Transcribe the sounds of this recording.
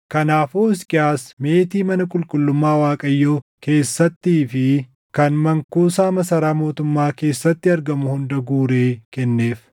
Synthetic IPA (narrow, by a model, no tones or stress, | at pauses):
kɐnaːfoːɪskʼɪjaːsme̞ːt̪iːmɐnɐkʼʊlkʼʊlːʊmːaːwaːkʼɐjːoːke̞ːsːɐt̪ːiːfɪ | kɐnmɐŋkuːsaːmɐsɐɾaːmo̞ːt̪ʊmːaːke̞ːsːɐt̪ːɪɐɾɡɐmʊhʊnd̪ɐɡuːɾe̞ːkɛnːe̞ːf